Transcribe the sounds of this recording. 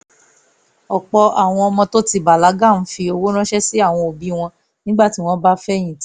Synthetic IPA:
ɔ˨k͡pɔ˧ʔa˨w̃ɔ̃˧ɔ˧mɔ̃˧to˦ti˧ba˨la˨˦ɡa˦˨n̩˨˦fi˧o˧wo˦ɾ̃ã˦ʃɛ˦si˦a˦˨w̃ɔ̃˧o˨bi˨˦w̃ɔ̃˧ | nĩ˦ɡ͡ba˦˨ti˨˦w̃ɔ̃˦ba˦fɛ˦˨j̃ĩ˨t

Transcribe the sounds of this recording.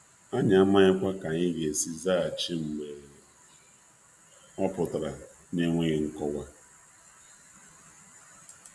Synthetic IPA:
a˦ɲa˨a˦ma˦ɲɪ˦kʷa˦ka˨ɲɪ˦ɡe˨si˦za˦˨t͡ʃi˦ŋ͡m̩˨ɡ͡be˨ | ɔ˦pʊ˨tɾa˨ | ne˦ŋʷe˦ɣɪ˨ŋ̩˦kɔ˦wa˦

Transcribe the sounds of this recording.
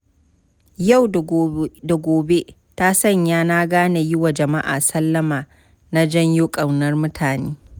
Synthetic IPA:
ja˦˨wda˨ɡʷoː˨be˦ | ta˦sɐ˦ɲjaː˦naː˦ɡaː˦na˨jɪ˦wa˨d͡ʒɐ˨ma˦ʔa̰ː˨sɐ˦lːɐ˦maː˨ | na˦d͡ʒɐ˦ɲjo˦kʼɐ˨wnɐ˦rmʊ˦tʰaː˨neː˦

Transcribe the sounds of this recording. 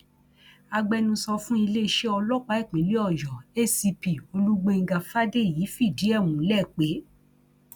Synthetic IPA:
a˧ɡ͡bɛ˧nũ˧sɔ˧fũ˦i˧le˦˧ʃe˦ɔ˧lɔ˦˨k͡pa˨˦i˦˨k͡pĩ˨˦li˦ɔ˦˨jɔ˨e˦si˧pi˨o˧lu˦ɡ͡be˧ŋ̩˦˧ɡa˧fa˦de˦˨ji˨˦fi˦˨di˨˦ɛ˦˨mũ˨˦lɛ˦˨k͡pe˨˦

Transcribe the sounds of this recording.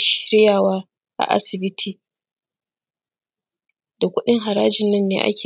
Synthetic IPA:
ʃɾɪ˦jaː˨waː˦ | ʔa̰˨ʔa̰˦sɪ˨bɪ˦tʰiː˨ | da˨kʷʊ˦ɗɪ˦ŋɦa˨ɾaː˦d͡ʒɪ˨nːɐ˦nːḛː˨˦ʔa̰˦kʲeː˨

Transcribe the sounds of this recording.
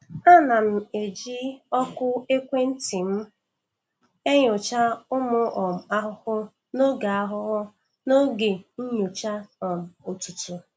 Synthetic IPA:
a˦na˨m̩˨e˨d͡ʒi˦ɔ˦kʊ˦e˦kʷe˦n̩˦ti˨m̩˦ | e˦ɲʊ˨t͡ʃa˦ʊ˦mʊ˦ʔɔ˨m̩˨a˦ɦʊ˦hʊ˦ | no˦ɡa˨a˦ɦʊ˦ɣʊ˦ | no˦ɡe˨n̩˦ɲʊ˨t͡ʃa˦ɔ˨m̩˨o˨tu˨tu˨

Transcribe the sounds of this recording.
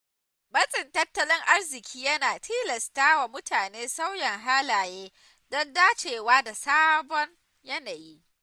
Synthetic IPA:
bɐ˦sʼɪ˨ntɐ˦tːɐ˦lɪ˦ŋʔa˦rzɪ˨kʲʰiː˦jɐ˦naː˨tʰiː˦lɐ˨staː˦wa˨mʊ˦tʰaː˨neː˦sa˦wjɛ˨ŋɦaː˦laː˨jeː˦ | dɐ˦ndaː˦t͡ʃeː˨waː˦da˨saː˦bɔ˦ŋ | jɐ˦naː˨ji˦ʔ

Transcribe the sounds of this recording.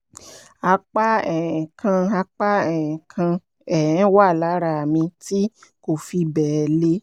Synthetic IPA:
a˧k͡pa˦ɛ˨ɛ̃˨kʰã˧a˧k͡pa˦ɛ˨ɛ̃˨kʰã˧ | ɛ˨ɛ̃˨˦wa˦˨la˨˦ɾa˧˨mĩ˧ti˦ko˨fi˧bɛ˨le˦

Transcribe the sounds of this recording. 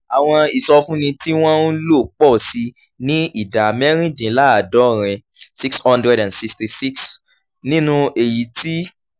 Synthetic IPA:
a˨w̃ɔ̃˧i˨sɔ˧fũ˦nĩ˧ti˦w̃ɔ̃˦n̩˦lo˦˨k͡pɔ˦˨si˧ | nĩ˦i˦˨da˨mɛ˦ɾ̃ĩ˦dĩ˨˦la˦a˨dɔ˨˦˨ɾ̃ɛ̃˧si˦kshɔ̃˦ndɾɛ˦ɾã˨nsi˧ksti˧˨si˦ks | nĩ˦nũ˧ʔe˨ji˨ti˦

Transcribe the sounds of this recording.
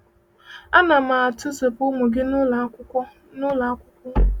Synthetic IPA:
a˦na˨ma˨a˨tʊ˦ze˨pʊ˦mʊ˨ɡɪ˦n˦˨ʊ˦ | nʊ˦la˨˦kʷʊ˦kʷʊ˦

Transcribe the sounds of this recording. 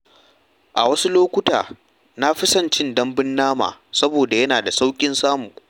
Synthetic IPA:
ʔa̰˨wɐ˦su˦loː˦kʷʊ˦ta̰ː˨ | na˦ɸɪ˦sɐ˦˨nt͡ʃɪ˦ndɐ˦mbɪ˦nːaː˦ma̰ː˨sɐ˦boː˨da˨jɐ˦naː˨da˨sa˦wkʲʼɪ˦nsaː˦mu˨ŋ

